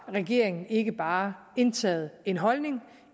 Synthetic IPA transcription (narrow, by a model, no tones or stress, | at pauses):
ʁɛɡ̥e̝̰ɐ̰eŋn̩e̝ɡ̥əb̥ɑ̈ː | e̝nt͡sʰɛ̰ːð̩ˠe̝nɦɒ̽lne̝ŋ